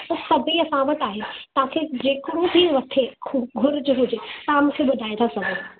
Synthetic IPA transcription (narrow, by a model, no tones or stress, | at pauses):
ɐsɐbʱiɐsãʋɐʈ̪aːɦeɪt̪ɐʋ̤ãkʰed͡ʑeːkɪɽũb̪ʱiʋɐt̪ʰekʰuɡʱʊɾd͡ʑʊɦʊd͡ʑet̪ɐãmʊ̃kʰeɓʊd̪ʱaːẽt̪ʰasɐbʱe